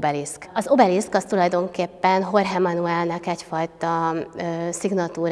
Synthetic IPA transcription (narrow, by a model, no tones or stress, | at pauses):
bɛliskɒzo̞bɛliskɒst̪ulɒjd̪o̞ŋkeːpːɛnɦo̞rɦɛmɒnuɛlnɛkɛcfɒjt̪ɒ | siɡnɒt̪uːɾ